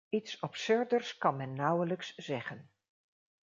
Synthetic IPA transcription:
itsɔpsɵɹdərskɑnmɛnːʌwələksz̥ɛχən

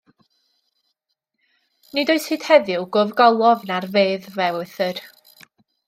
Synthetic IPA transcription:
nɨdoɨshɨːd̥hɛðɪwɡʊvɡɔlˠɔvnarveːðvɛʊɨθər

